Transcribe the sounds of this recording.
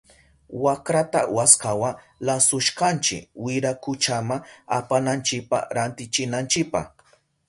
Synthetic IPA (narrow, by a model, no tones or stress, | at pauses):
wakɾat̪a̰waskawa | lasʊʃkant͡ʃɪ̰kwɪɾakʊt͡ʃamaapanant͡ʃɪk̚paɾant̪ɪt͡ʃɪnant͡ʃɪk̚pɑ̰χ